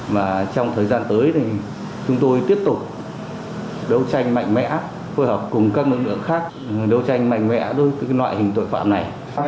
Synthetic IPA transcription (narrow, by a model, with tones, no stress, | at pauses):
vaː˨˩t͡ɕɔ˧wŋ͡mt̪ʰəː˨˩jzaː˧nt̪əː˨˦jt̪ʰi˨˩ | t͡ɕʊ˨˦ŋ͡mt̪o˧jt̪i˦˥əp̚t̪ʊ˨˩k͡p̚ | ɗə˨˧˦wt͡ɕa˧jŋ̟ma̰˧˨jŋ̟mɛ̰˧˥ | fo˧jhɔ˨˩p̚kʊ˨˩ŋ͡mkaː˦˥k̚ʔɨ̰˧˥ŋnlɨ̰˧˥əŋxaː˦˥k̚ | ɗə˨˧˦wt͡ɕa˧jŋ̟ma̰˧˨jŋ̟mɛ̰˧˥t̪o˧˦jk̪ɨ˨˦ka˨˦jlwa̰ː˧˨jhï˨˩ŋ̟t̪o̰˧˨jfa̰ː˧˨mna˨˩j